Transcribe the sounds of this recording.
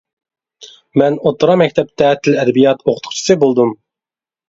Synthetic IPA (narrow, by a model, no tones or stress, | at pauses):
mɛnot̪ɾɑmɛkʲt̪ʰɛp̚t̪ʰɛt̪ʰːɪlɛd̪ɛbijɑt̪ʰoqʰə̥t̪ʰʊ̥χt͡ʃʰi̥sɨbolˠd̪um